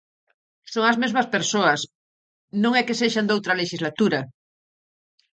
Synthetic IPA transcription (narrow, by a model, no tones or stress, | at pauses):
soŋazmezmaspeɾsoas | nõŋɛkeseʃand̪owt̪ɾaleʃizlat̪uɾa